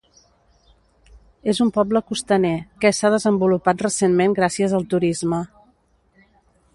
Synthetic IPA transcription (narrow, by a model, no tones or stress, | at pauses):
ezumpɔbləkust̪ənekəsaðəzəmbulupat̪rəsenmeŋɡɾasiəzəlˠt̪uɾizmə